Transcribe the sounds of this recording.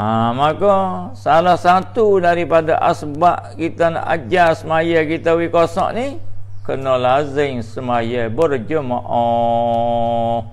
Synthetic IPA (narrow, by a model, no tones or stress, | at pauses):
amakosalahsat̪udaɾipadaʔasbaʔkit̪ana̰d͡ʒasəmajakit̪awikosɔ̰ʔnikənolaɦzəŋsəmajəbərd͡ʒəmaʔɔ